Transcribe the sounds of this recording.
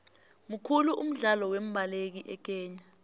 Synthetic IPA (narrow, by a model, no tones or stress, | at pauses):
mukʰuluʔum̩ɮalɔwem̩bʱalek̬iʔɛk̬ɛːɲa